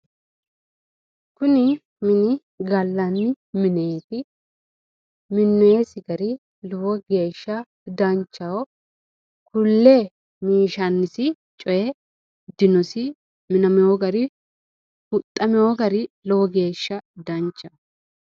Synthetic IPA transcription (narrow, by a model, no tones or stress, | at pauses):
kʊnɪ | mɪnɪ | ɡɐlːɐnːɪ | mɪneːt̪ɪ | mɪnːɔjesɪɡɐɾɪ | lɔwɔɡe̞ːʃːɐ | d̪ɐnt͡ʃːɐwɔ | kʊlːe | miːʃɐnːɪsɪ | t͡ʃʼɔjɛ | d̪ɪnɔsɪ | mɪnɐmɛɔɡɐɾɪ | hʊt̪ʼːɐmɛwɔɡɐɾɪlɔwɔɡe̞ːʃːɐd̪ɐnt͡ʃːɐ